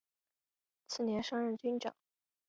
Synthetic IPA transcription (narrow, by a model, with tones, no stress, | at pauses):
t͡sʰɹ̩˥˩njɛ˧˥nʂɑ˥ŋɻə˥˩nt͡ɕy˥nʈ͡ʂɑ̰˨˩˦ŋ